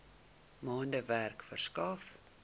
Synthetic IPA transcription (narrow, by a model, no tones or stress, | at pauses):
mɑːndəværkfərskɑːf